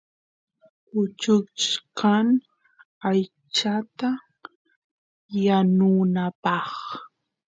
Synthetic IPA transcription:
kʊt͡ʃʊt͡ʃkaŋ | aj | t͡ʃat̪a | janʊnapɑχ

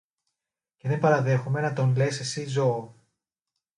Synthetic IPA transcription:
ce̞ðe̞mbɐɾɐðe̞xume̞nɐt̪o̞nle̞se̞sizo̞ː

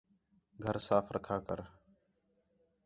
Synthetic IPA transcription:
ɡʱəɾsaːfʰɾʔəkʰaːkə̰ɾ

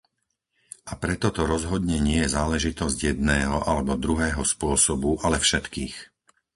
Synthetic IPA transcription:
ʔapɾɛt̪ɔt̪ɔɾɔzɦɔd̪ɲɛɲɪɛjɛzaːlɛʒit̪ɔzɟjɛd̪nɛːɦɔʔalɛbɔd̪ɾuɦɛːɦɔspʊɔsɔbuʔalɛfʃɛt̪kiːx

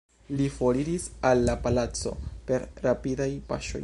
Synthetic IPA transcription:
lifo̞ɾiɾisalːapalat͡so̞̰pe̞ɾɾapidajpa̰ʃo̞̰j

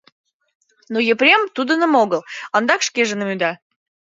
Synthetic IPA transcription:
nojeprʲemt̪ud̪ə̆nəmoɣəlɑnd̪ɑkʃkeʒə̆nəmyd̪ɑ

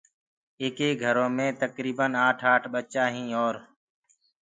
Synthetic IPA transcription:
eːkeːɡʱəɾõːmẽːt̪əkɾiːbənaːʈʰaːʈʰɓət͡ʃaːɦĩːoːɾ

